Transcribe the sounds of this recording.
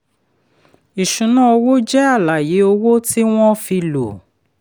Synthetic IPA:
i˨ʃũ˨˦nã˦o˧wo˦d͡ʒɛ˦a˦˨la˨je˨˦o˧wo˦ti˦w̃ɔ̃˦fi˧lo˨

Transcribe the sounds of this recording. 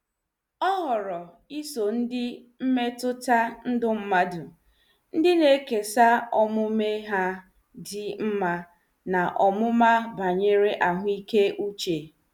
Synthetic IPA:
ɔ˦ɦɔ˨ɾɔ˨ | i˦so˨n̩˦dɪ˦m̩˦me˦tʊ˦ta˦n̩˦dʊ˦m̩˦ma˦du˨ | n̩˦dɪ˦ne˦ke˨sa˦ɔ˨mʊ˦me˦ɦa˦ | dɪ˦m̩˦ma˦ | na˨ʔɔ˨mʊ˦ma˦ba˨ɲe˦ɾe˦ʔa˨ɦʷʊ˦i˦ke˦ʔu˦t͡ʃe˨

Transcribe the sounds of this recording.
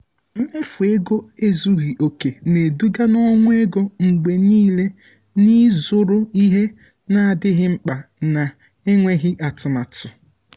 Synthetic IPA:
m̩˦me˦fu˨e˦ɡo˦e˦zu˦ɣi˨ʔo˨ke˨ne˨du˦ɡa˦nɔ˦ŋʷʊ˦e˦ɡo˦ŋ͡m̩˨ɡ͡be˨niː˦le˦ | ni˦zʊ˨ɾʊ˦i˦ɦe˦ | na˦a˨dɪ˦ɦɪ˦ŋ͡m̩˦k͡pa˨na˨ | e˦ŋʷe˦ɣɪ˦ʔa˨tʊ˨ma˨tʊ˨

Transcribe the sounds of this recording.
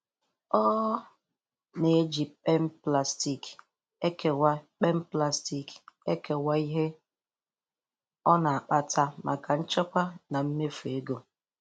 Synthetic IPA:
ɔ˦ | ne˨˦d͡ʒi˨k͡pe˦m̩˦pla˨sti˦˨k | e˦ke˨wa˦k͡pe˦m̩˦pla˦sti˨ke˦ke˨wa˦i˦ɦe˦ | ɔ˦na˨a˨k͡pa˦tʰa˦mʔa̰˨ka˨n̩˦t͡ʃɔ˦kʷa˦na˨m̩˦me˦fu˨e˦ɡo˨

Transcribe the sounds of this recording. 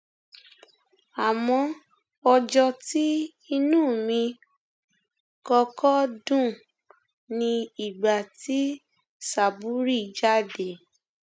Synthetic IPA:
a˨mɔ̃˧ | ɔ˧d͡ʒɔ˧ti˦ | i˧nũː˦˨mĩ˧ | kɔ˧kɔ˦dũ˦˨ | nĩ˧i˨ɡ͡ba˨ti˦ | sa˨bu˨˦ɾi˦˨d͡ʒa˦˨de˨

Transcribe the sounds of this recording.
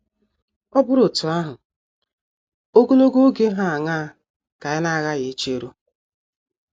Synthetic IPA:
ɔ˦bʊ˦ɾo˨tʊ˨a˦ɦʊ˨ | o˦ɡo˦lo˦ɡo˦ɡe˦ɦa˦a˨ŋa˦˨ | ka˨ɪ˦na˦˨ɣa˦ɣe˨˦t͡ʃe˦ɾu˦

